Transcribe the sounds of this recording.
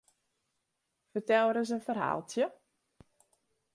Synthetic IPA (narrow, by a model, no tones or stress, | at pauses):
fərtɛlˠəɾəs̬ənfərɦa̰ːlˠtʰjə